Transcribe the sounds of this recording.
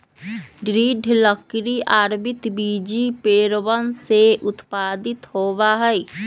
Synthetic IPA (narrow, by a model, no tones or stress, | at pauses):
ɖɾiːɖʱləkɾiʔaːɾbɪt̪biːd͡ʒipeːɾəwənseʔʊt̪paːd̪ɪt̪ɦoːwaɦɛi